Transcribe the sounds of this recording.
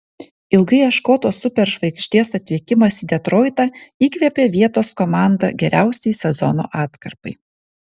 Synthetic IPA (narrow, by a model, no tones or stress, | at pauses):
ɪlˠɡɐɪɐʃkoːt̪oːsʊpʲɛɾʒʋɐɪkʃʲt̪ʲiɛsɐt̪ʲʋʲiɛkʲɪmɐsiːd̪ʲɛt̪ɾɔːɪt̪ɑiːkʋʲiɛpʲeːʋʲiɛt̪oːskɔmɑˑnd̪ɐ̰ɡʲɛɾʲʔæˑʊsʲɛjsʲɛzɔ̰no̰ːʔɑːt̪kɐɾpɐɪ